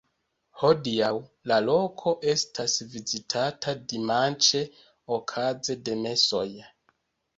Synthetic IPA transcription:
ho̞diawlalo̞kʰo̞ʔe̞stʰasvizitʰatʰadimant͡ʃe | okʰaze̞de̞me̞so̞j

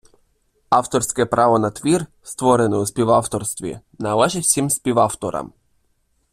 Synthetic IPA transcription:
ɑwt̪ɔrsʲkɛpɾʔɑʋɔnɐt̪ʋʲir | st̪ʋɔɾenɛʊsʲpʲiʋawt̪ɔrst̪ʋʲḭ | nɐlˠɛʒɪtʲsʲimsʲpʲiʋawt̪ɔɾɐ̰m

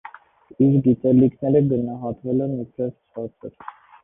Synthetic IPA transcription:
iɾɡit̪ɛlikʰnɛɾəɡənɑɦɑt̪vɛlɛnipʰɛst͡sʰɑt͡sʰəɾ

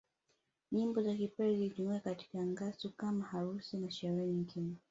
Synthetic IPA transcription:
ɲimbɔzakipɛɾɛzitumiakati̥kaŋɡasukamahaɾusimaʃaɾiɾiŋkinɛ

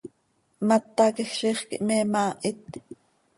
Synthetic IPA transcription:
mɑt̪ːɑkexʃiːχkḭʔmɛːmɑːʔit̪

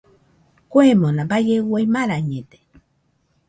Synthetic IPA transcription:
kwemõnãbajewejmãɾaɲẽt̪e̥

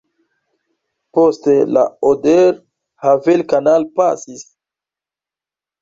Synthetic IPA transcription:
postela̰odeɾ | havelkanalpasis

